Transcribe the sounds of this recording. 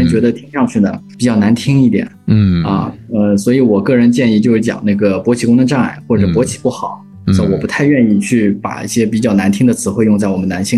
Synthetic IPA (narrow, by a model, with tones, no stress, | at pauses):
ə˧˥nt͡ɕɥɛ˧˥d̪ə˧t̪ʰi˥ŋʂɑ˥˧ŋt͡ɕʰy˥˩d̪ə̰˩pi˨˩t͡ɕjɑ˥˩ʊna˧˥nt̪ʰi˥ŋi˥˩t̪jɛ̰˨˩˦n˩ɐ̰˥˧ə˥˧swɔ˧˥i˧˥wɔ˨˩kɤ˥˩ɻə˧˥nt͡ɕjɛ˥˧ni˥˧t͡ɕjo˥˧ʊʂɻ̩˥˩t͡ɕjɑ̰˨˩ŋna˥˩ɡə˩pwɔ˧˥t͡ɕʰi˨˩kʊ˥nə˧ʈ͡ʂa˥˩ŋa̰˥˩ɪxwɔ˥˩ʈ͡ʂɤ˨˩pwɔ˧˥t͡ɕʰi̥˨˩pu˥˩xɑ˨˩˦ʊ | sa˥˩wɔ˨˩pu˧˥t̪ʰa˥˧ɪɥɛ˥˧ni˥˧t͡ɕʰy˥˩pa̰˨˩ḭ˥˩ɕjɛ˥pi˨˩t͡ɕjɑ˥˩ʊna˧˥nt̪ʰi˥ŋd̪ə˨t͡sʰɹ̩˧˥xwe˥˧ɪjʊ˥˧ŋt͡sa˥˩ɪwɔ˨˩mə˦na˧˥nɕi˥